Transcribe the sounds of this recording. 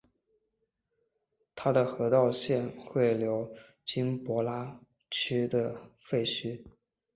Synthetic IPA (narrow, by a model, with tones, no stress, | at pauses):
t̪ʰa˥d̪ə˨xɤ˧˥t̪ɑ˥˧ʊɕjɛ˥˧nxwe˥˩ɪljo˧˥ʊ | t͡ɕi˥npwɔ˧˥la˥ | t͡ɕʰy˥d̪ə˨fe˥˩ɪt͡ɕʰy˥